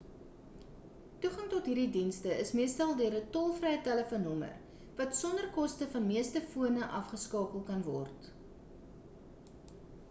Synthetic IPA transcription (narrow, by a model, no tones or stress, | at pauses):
tuχɐŋtɔtɦiːrdidinstəəsmiəstɐlˠdøəɾətɔlˠfrɛjtæləfonɔmə̰r | vɐtsɔndərkɔstəfɐnmiəstəfuənəʔɐfχəskɑːpəlˠkɐnvɔ̰rt